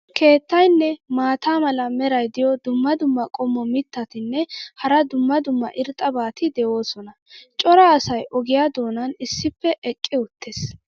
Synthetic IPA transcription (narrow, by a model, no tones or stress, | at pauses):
kʰe̞ːt̪ːɐjnːɛmaːt̪aːmɐlɐmɛɾɐjd̪ɪjɔd̪ʊmːɐd̪ʊmːɐkʼɔmːɔmɪt̪ːɐt̪ɪnːɛhɐɾɐd̪ʊmːɐd̪ʊmːɐ̰ʔɪɾt̪ʼɐbaːt̪ɪd̪ɛʔo̞ːsɔnɐ | t͡ʃʼɔɾɐːsɐjʔɔɡɪjaːd̪o̞ːnɐnɪsːɪpːɛʔɛkʼːɪʊt̪ːes